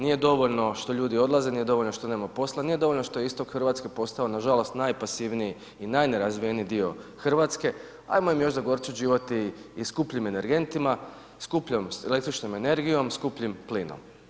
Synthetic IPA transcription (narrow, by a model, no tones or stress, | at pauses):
nije̞d̪o̞ʋo̞ʎno̞ʃt̪o̞ʎuːd̪io̞d̪laze̞nije̞d̪o̞ʋoʎʲnoʃt̪o̞ne̞ːmapo̞slˠanije̞d̪o̞ʋoʎʲno̞ʃt̪o̞jeist̪o̞kxrʋat̪ske̞po̞st̪ao̞naʒalo̞st̪najpasiʋniji | inajne̞ɾazʋijenid̪io̞xr̩ʋat̪ske̞ | a̰jmoimjo̞ʃzaɡo̞ɾt̪suʒiːʋot̪iːskupʎime̞ne̞ɾɡe̞nt̪ima | skupʎomsele̞kt̪ɾit͡ʃnome̞ne̞ɾɡijo̞mskupʎimpliːno̰m